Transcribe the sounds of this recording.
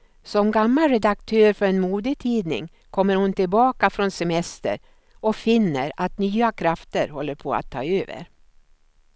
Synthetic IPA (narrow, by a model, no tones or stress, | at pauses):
sɔmɡamːalɾɛd̪ak̚t̪ʰøːɾfœɾɛnmuːd̪ət̪ʰiːd̪nɪ̰ŋ | kʰɔmːəɾhʊnt̪ɪlbɑːkafɾɔnsɛmɛst̪ə̰ɾ | ɔfɪnːəɾat̪nyːakʰɾaft̪əɾhɔlːəɾpʰoːa̰t̪ʰːɑ̰ːøːvə̰ɾ